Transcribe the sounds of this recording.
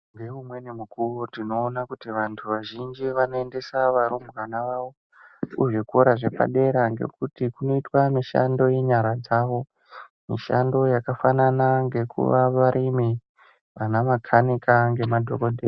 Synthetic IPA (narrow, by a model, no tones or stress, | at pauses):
ŋɡe̞umwe̞nemukurotino̞ːnakutiʋantʰuʋaʒind͡ʒiʋano̞ende̞saʋaɾomɡanaʋaʋo̞ | uʐikoɾaʐe̞pa̰ɗe̞ɾaŋɡe̞̰kutikuno̞itwamiʃa̰ndo̞je̞ɲaɾad͡zaːʋo̞ | miʃa̰ndo̞jakafananaŋɡe̞kṵʋaʋaɾʔimi | ʋanamakʰanikaŋɡe̞madʱoko̞dʱeːr